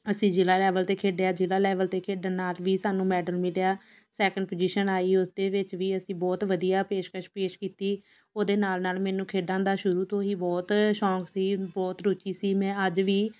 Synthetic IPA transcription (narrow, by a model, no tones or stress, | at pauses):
əsĩːd͡ʒɪlaːlɛːʋəlt̪eːkʰeːɖeaːd͡ʒɪlaːlɛːʋəlt̪eːkʰeːɖaːnaːlʋiːsaːnũːmɛːɖəlmɪljaː | sɛːkəɳɖpoːd͡ʒiːʃənaːiːʊsd̪eːʋɪt͡ʃʋiːəsĩːbɔːt̪ʋəd̪ijaːpeːʃkəʃpeːʃkiːt̪iː | oːd̪eːnaːlnaːlmɛːnũːkʰeːɖãːd̪aːʃʊɾuːt̪õːɦiːbɔːt̪ʃɔ̃ːksiːbɔːt̪ɾoːt͡ʃiːsiːmɛ̃ːəd͡ʒʋiː